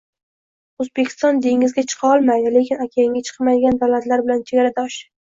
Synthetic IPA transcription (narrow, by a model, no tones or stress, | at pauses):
ozbe̞kʲʰɪ̥st̪ɒnd̪e̞ŋʲɪzɡʲat͡ʃʰɨ̥qʰɑɒlˠmajd̪ɪle̞kʲʰɪnakʲʰaɪŋʲat͡ʃʰɨ̥qmajɡʲand̪awlat̪laɾbɪlant͡ʃʰeɡʲaɾad̪ɒʃ